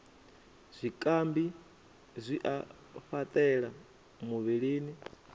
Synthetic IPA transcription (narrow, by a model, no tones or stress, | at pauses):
zʷikʼambi | zʷiʔa | ɸat̪ʼɛɺa | muβiɺiːni